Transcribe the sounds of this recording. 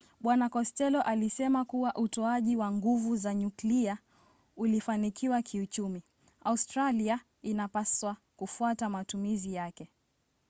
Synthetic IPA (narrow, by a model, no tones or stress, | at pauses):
ɓwanakɔstɛlɔʔalisɛmakuwaʔutɔaʄiwaŋɡuvuzaɲuklia | ulifanikʰiwakʰiut͡ʃumi | austɾalia | inapaswa | kufuatamatumizijakɛ